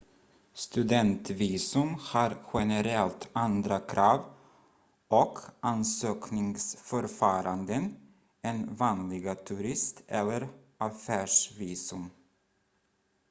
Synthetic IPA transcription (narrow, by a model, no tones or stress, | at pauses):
st̪ɵd̪ɛnt̪viːsɵmhaɾɧɛnɛɾɛlt̪and̪ɾakʰɾɑːv | ɔkʰʔansøːknɪŋsfœɾfɑːɾand̪ən | ɛnvaːnlɪɡat̪ʰɵɾɪst̪ɛ̰lːəɾʔafæːʂviːsɵm